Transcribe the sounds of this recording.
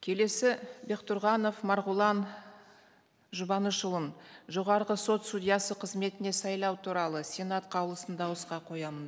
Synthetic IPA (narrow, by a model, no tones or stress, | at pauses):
kʲʰe̞le̞sɪbe̞qt̪ʊɾʁɑno̞fmɑɾʁʊlˠɑn | ʒʊbɑnəʃəlˠənʒo̞ʁɑɾʁəso̞t̪st̪ud̪ʲijɑsəqʰəzme̞t̪ɪne̞sɑjlˠɑwt̪ʰuɾɑlˠəsʲe̞nat̪qʰɑwlˠəsənd̪ɑwəsqɑqʰo̞jɑmən